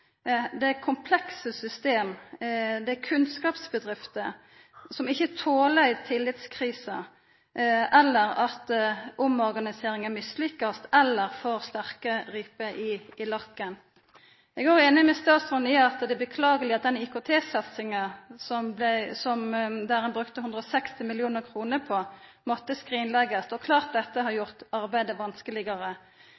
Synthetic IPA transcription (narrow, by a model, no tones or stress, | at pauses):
d̪ɛkʰʊmpʰlɛksəsʏst̪eːm | d̪ɛækʰʉnskɑːpsbəd̪ʁɪft̪ə | sɔmɪçːət̪ʰoːlæɪt̪ʰɪlːɪt̪skʰʁiːsə̰ | ʔɛlːəɾɑt̪ʊmɔʁɡɑnɪseːɾɪŋæmɪslɪkːɑst̪ɛlːəʁfoːʁst̪æʁkəʁiːpəʔɪɪlɑkːən | ɛɡɑʁɛːnɪmɛst̪ɑːt̪sʁʊnɪɑt̪d̪ɛbəkʰlɑːɡəlɪɑt̪̚d̪ɛnɪkʊt̪ʰeːsɑt̪sɪŋəsɔmblsɔmd̪æːʁɛnbʁʉkt̪əhʉnd̪ʁɔsɛkst̪ɪmɪlɪuːnəʁkʰʁuːnəpʰɔ | mɔt̪ːəskʁiːnlɛɡəst̪ɔkʰlɑːʁt̪̚d̪ɛt̪ːəɦɑɾjʊʁt̪ɑʁbæɪd̪əʋɑnskəlɪɡɑʁə